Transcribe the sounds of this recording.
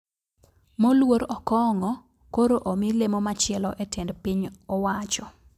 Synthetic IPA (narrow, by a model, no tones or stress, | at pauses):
molwoɾɔkɔŋɔ | koɾoʔomilemomat͡ʃɪɛlɔʔetɛndpiɲɔwat͡ʃɔ